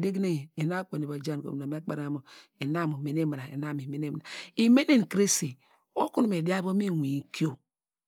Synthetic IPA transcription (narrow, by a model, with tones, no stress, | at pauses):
de˦ɡne˦˨e˨na˦kʷe˨ni˨ba˨d͡ʒa˦n˨ko̰˨a˨me˦k͡pa˦ɾa˨˦mo˨ | e˨na˦˨mo˨me˨n˦e˦mi˨ɾa˨ḛ˨na˦˨mi˨me˨ne˦m˨na˨i˨me˦ne˦n˨kɾe˦si˨ | o˦ku˦n˦me˨di˦a˦bo˦mi˦˨wi˨˦ki˦o˦